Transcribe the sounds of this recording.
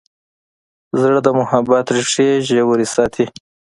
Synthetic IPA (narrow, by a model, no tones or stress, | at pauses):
zɽd̪əmʊhabat̪ʐʂeʒewuɾisɑt̪ʰi